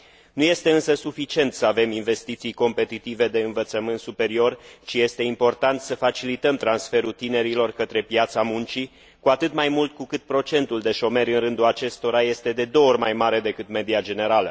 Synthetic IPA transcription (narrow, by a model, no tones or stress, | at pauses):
nuje̞st̪e̞ɨnsəsufit͡ʃie̞nt̪səave̞minve̞st̪it̪sijko̞mpe̞t̪it̪ive̞d̪e̞ɨnvət̪səmɨnt̪supe̞ɾio̞rʃije̞st̪e̞impo̞rt̪ant̪səfat͡ʃilit̪əmt̪ɾansfe̞ɾut̪ine̞ɾilo̞rkət̪ɾe̞pjat̪samunt͡ʃi | kuat̪ɨt̪majmult̪kukɨt̪̚pɾo̞t͡ʃe̞nt̪uld̪e̞ʃo̞me̞ɾʲɨnrɨnd̪ulat͡ʃe̞st̪o̞ɾaje̞st̪e̞d̪e̞d̪o̞orʲmajmaɾe̞d̪e̞kɨt̪me̞d̪iad͡ʒe̞ne̞ɾalə